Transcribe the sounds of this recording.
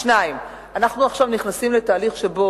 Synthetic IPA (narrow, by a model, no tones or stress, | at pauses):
ʃnaim | anaχnuaχʃavniχnasimle̞t̪aːliχʃe̞bo̞